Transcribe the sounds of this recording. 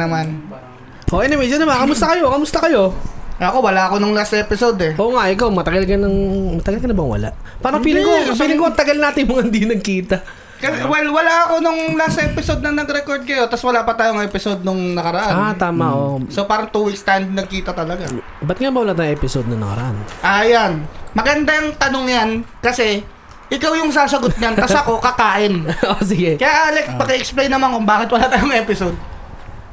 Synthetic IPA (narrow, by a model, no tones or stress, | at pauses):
ɐman | ʔoʔɛnɛwɛd͡ʒɐnɐmakɐmʊst̪ɐkɐjokɐmʊst̪ɐkɐjo̞ɐkowɐlaɐko̞nʊŋlasʔɛːpɪso̞d̪ɛʔo̞ːŋaʔɪkawmɐt̪ɐɡalkɐnɐŋmɐt̪ɐɡalkɐnɐbɐŋwɐ̰la̰ʔ | paːɾɐŋpiːlɪŋkopiːlɪŋkoɐŋt̪ɐɡalnaːt̪ɪnjʊmɐŋahɪnd̪inɐɡ̚kiːt̪ɐ | kɐswɛlwɐlaʔɐko̞nʊŋlasɛːpɪso̞d̪̚nɐnɐɡɾɛkoɹd̪̚kɐjo̞t̪ɐswɐlaːpɐt̪aːjoŋʔɛpɪsod̪̚nʊŋnɐkɐɾɐʔannat̪aːmaʔosopaːɾɐŋt̪uːwik̚st̪annɐɡ̚kiːt̪ɐt̪ɐlɐɡa | bɐt̪̚ŋabɐwɐlaːt̪aːjɛːpɪsod̪nɐnɐ̰kɐ̰ɾɐ̰ʔanʔɐjanmɐɡɐnd̪ajɐŋt̪ɐnoŋjankɐsɛ | ʔɪkawjʊŋs̬aːsɐɡot̪ɲant̪ɐsɐko̞kɐkaːʔɪnʔosɪɡɛkɐjaʔaːlɛkpɐkɛʔɛksplejnːɐmankʊmbaːkɪt̪̚wɐlat̪aːjoŋɛpɪsod̪̚